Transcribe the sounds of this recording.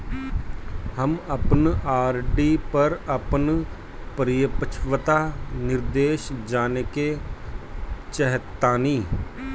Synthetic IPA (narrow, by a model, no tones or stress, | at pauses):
həməpnaːɾɖiːpəɾəpən | pəɾɪjəpət͡ʃʰʋət̪aːnɪɾd̪eːʃd͡ʒaːneːkeː | t͡ʃəɦət̪ːaːniː